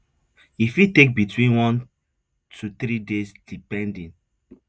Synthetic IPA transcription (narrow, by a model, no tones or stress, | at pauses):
ifitek̚bitwĩnwɔ̃n | tʰut̪ɾidesd̥ipɛ̃ndĩn